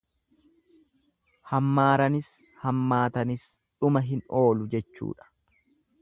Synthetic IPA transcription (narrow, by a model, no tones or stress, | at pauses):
hɐmːaːɾɐnɪs | hɐmːaːt̪ɐnɪs | ᶑʊmɐɦɪno̞ːlʊd͡ʒɛt͡ʃːṵːᶑɐ̥